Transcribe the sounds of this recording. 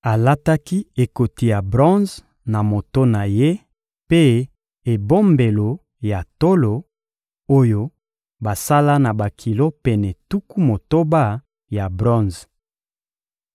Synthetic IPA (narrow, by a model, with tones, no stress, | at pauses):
a˨la˦ta˦ki˦e˨ko˨ti˨ja˨bʁɔ̃˦z | na˨mo˨to˦na˨je˦ | pe˦ | e˨bo˦mbe˨lo˨ | ja˨to˦lo˨ | o˦jo˦ | ba˨sa˦la˦na˨ba˨kʰi˨lo˦pɛ˨nɛ˨tu˦ku˦mo˨to˦ba˦ | ja˨bʁɔ̃˦nz